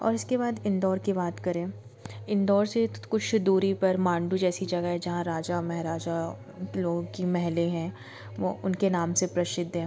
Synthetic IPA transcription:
ɔ̰ːɾɪskebaːd̪ɪ̃nd̪ɔːɾkibaːt̪kɐɾẽː | ɪ̃nd̪ɔːɾsekʊt͡ʃʰd̪uːɾipɐɾmãːɳɖud͡ʒɛːsid͡ʒɐɡəɦɛd͡ʒɐɦãɾaːd͡ʒamɛɦɾaːd͡ʒa | loːɡkimɛɦleɦɛ̃ː | ʋo̰ːʊnkenaːmsepɾɐʃɪd̪ʱːɦɛ̃ː

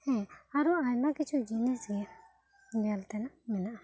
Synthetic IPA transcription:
hɛ̃aɾuajmakit͡ʃʰud͡ʒinɛsɡɛ | bɛjalt̪ɛnamɛnaʔ

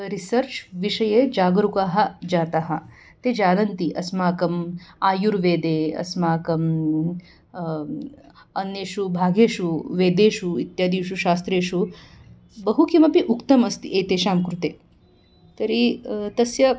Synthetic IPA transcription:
ɾisɐɾt͡ʃʋiʂɐjeːd͡ʒaːɡɾukaːɦɐ̆d͡ʒaːt̪aɦɐ̆ | t̪eːd͡ʒaːnɐnt̪iʔɐsmaːkɐmaːjuɾʋeːd̪eːɐ̰smaːkɐm | ɐnjeːʃubʱaːɡeːʃuʋeːd̪eːʃuit̪jaːd̪iːʃuʃaːst̪ɾeːʃu | bɐɦukʰimɐpiʔukt̪ɐmɐst̪iʔeːt̪eːʃaːmkɾut̪eː | t̪ɐɾit̪ɐsjɐ

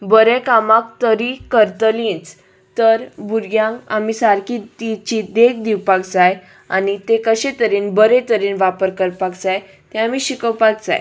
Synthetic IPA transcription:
bəɾekamakt̪əɾikəɾt̪əlĩt͡s | t̪əɾbuɾɡjãŋka̰miːsaɾkit̪it͡ɕid̪ekd̪iwpaɡd͡zaj | a̰nit̪ekəɕet̪əɾiːnbəɾẽt̪əɾiːnʋapəɾkəɾpaɡd͡zaj | t̪eamiːɕikəwpaɡ̚d͡za̰j

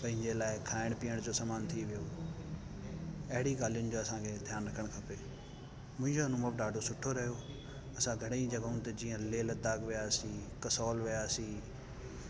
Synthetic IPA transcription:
pɐ̃ɦɪ̃ɲd͡ʑelaːɪkʰaːɪɽ̃piːəɽ̃d͡ʑoːsaːmaːnt̪ʰiʋijo | ɐɦɪɽiɡaːlijʊnɪ̆d͡ʑoːɐsãkʰeːd̪ʱjaːnɾɐkʰəɽ̃kʰɐpeː | mʊ̃ɦɪ̃ɲd͡ʑoɐnũməbɖaːɖʱosʊʈʰoɾɐɦijo | ɐsãɡʱɐɽeĩd͡ʑɐɡaʊ̃nt̪ɐd͡ʑiːə̃leːlɐd̪aːɡʋijaːsĩkɐsɔːlʋijaːsĩː

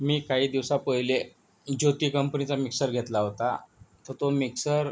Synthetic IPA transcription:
miːkaɦiːd̪iʋsapəɦile | d͡ʑot̪iːkəmpnit͡samiksəɾɡʱet̪laɦot̪at̪əɾt̪omiksəɾ

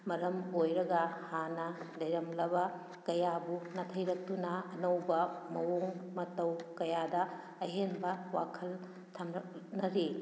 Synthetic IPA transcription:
mɐɾɐmojɾɐɡɐhanɐdɐjɾɐmlɐbɐ | kɐjabunɐtʰɐjɾɐk̚tunɐːnɐwbɐmɐwoŋmɐtɐwkɐjadɐː | ɦenbɐwa̰kʰɐl | tʰɐmɾɐknɐɾi

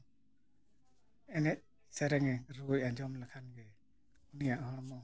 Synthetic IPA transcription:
ɛnɛc̚ | sɛɾɛŋɛɾujaɲd͡ʒɔmlakʰanɡɛ | unijaʔhɔɽ̃mɔ

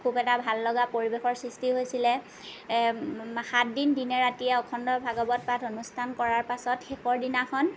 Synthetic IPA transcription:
kʰubɛtabʱalːɔɡapoɹibexɔɹsɹistiɦojsilɛ | xat̚dindinɛɹatijɛɔkʰɔndɔɹbʱaɡɔbɔt̚patonustʰankɔɹaɹpasɔtxexɔɹdinakʰɔn

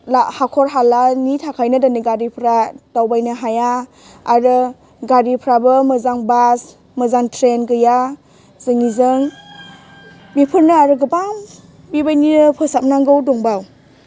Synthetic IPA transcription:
lahakʰɔɾɦalanitʰakʰajnadaniɡaɾipʰɾatawbajnɯɦaja | aɾɯ | ɡaɾipʰɾabɯmɯzaŋbas | mɯzaŋtʰɾenɡɯja | z̥ɯŋizɯŋ | bipʰɯɾnɯaɾɯɡɯbam | bibajninɯpʰɯsap̚naŋɡɯwdɔŋbaw

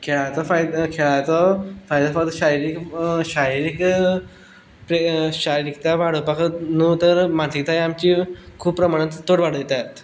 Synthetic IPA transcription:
kʰeɭat̪ɔfajd̪kʰeɭat̪ɔfajd̪afaɡd̪ɕaiɾikɕaiɾik | pɾeɕaɾiɾik̚t̪aʋaɽ̤opakət̪nuːt̪əɾmãnsik̚t̪ajamt͡ɕikʰuːppːɾəmaɽ̃ət̪t̪ːoɽʋaɽ̤d̪et̪at̪

